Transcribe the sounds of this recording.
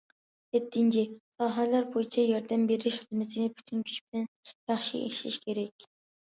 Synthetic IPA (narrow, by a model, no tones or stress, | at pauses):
et̪ʰːɪnt͡ʃʰɪsɑːɦɑlæɾbojit͡ʃʰɛjɒɾd̪ɛmbeɾɪʃχəzmɪt̪ʰɪnɪpʰy̥t̪ʰynkʲʰy̥t͡ʃb̥ɪlɛnjɑχʃḭḛʃḭʃkʲʰeɾɛkʲ